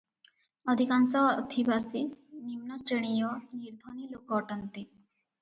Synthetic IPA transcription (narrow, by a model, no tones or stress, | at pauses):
ɔd̪ʱikansɔɔd̪ʱibasinimnɔsɾeɽ̃ijɔniɾd̪ʱɔnilokɔʈant̪i